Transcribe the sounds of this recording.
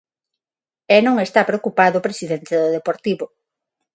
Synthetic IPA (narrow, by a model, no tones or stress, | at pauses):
ɛnõŋest̪apɾeokupaðʊpɾesiðent̪ɪðʊðepoɾt̪iβʊ